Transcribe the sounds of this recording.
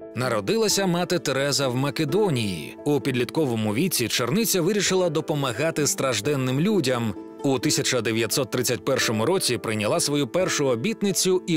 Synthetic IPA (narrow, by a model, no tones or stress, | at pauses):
nɐɾɔd̪ɪlˠɐsʲɐmat̪ɪt̪eɾɛzɐwmɐked̪ɔnʲijḭ | upʲid̪ʲlʲit̪kɔʋɔmʊʋʲit͡sʲit͡ʃernɪt͡sʲːɐʋɪɾʲiʃɪlˠɐd̪ɔpɔmɐɣat̪ɪst̪ɾɐʒd̪ɛnːɪmlʲudʲɐm | ut̪ɪsʲɐt͡ʃɐd̪eʋʲjɐt̪ʲsɔt̪ːɾɪt͡sʲːɐt̚ʲpɛrʃɔmʊɾɔt͡sʲipɾɪnʲɐlˠasʋɔjupɛrʃʊɔbʲit̪nɪt͡sʲʊi